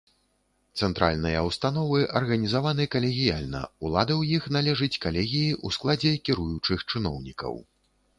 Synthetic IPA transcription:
t̪sɛnt̪ɾʔa̰lʲnɨjɐwst̪anɔvɨʔɐrɣɐnʲizavanɨkɐlʲɛɣʲijalʲnɐ̰ulˠad̪ɨwjixn̪alʲɛʐɨt͡sʲkalʲɛɣʲijiʔusklˠad͡zʲɛkʲiɾujut͡ʂɨxt͡ʂɨnɔ̰wnʲikɐ̰w

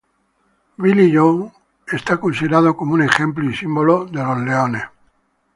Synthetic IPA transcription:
βiliʎow | e̞st̪akonsiðeɾaðokomoune̞χẽ̞mpluisimbo̞loðe̞lozleone

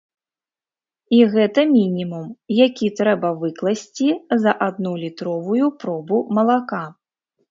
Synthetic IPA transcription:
iɣɛt̪ɐmʲinʲimumjakʲit̪ɾɛbɐvɨklˠɐsʲt͡sʲizɐʔad̪nulʲit̪ɾɔvujupɾɔbumɐlˠaka

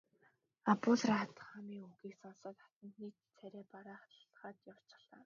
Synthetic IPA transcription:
apʊɮrat̪ə̥̆χamiːŋuɣiːksɔnsɔːt̪χḁt̪ə̆nt̪niːt̪t͡sʰæɾʲæːpaɾaːχχaːt̪jaw̥t͡ɕɪ̥̆ɮaː

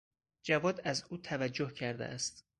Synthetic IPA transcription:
d͡ʒævɒːd̪æzuːt̪ʰævæd͡ʒːohcʰæɾd̪ḛʔæst̪

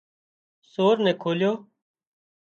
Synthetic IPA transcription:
soːɾnɛ̃ːkʰoːljoː

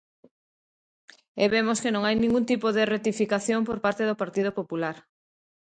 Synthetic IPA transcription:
ɛβemoskenõŋajnĩŋɡunt̪ipoðeret̪ifikaθjompoɾpaɾt̪eðopaɾt̪iðopopulaɾ

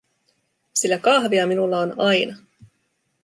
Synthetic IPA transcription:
silːækɑɦʋiɑminulːɑonɑjnɑ

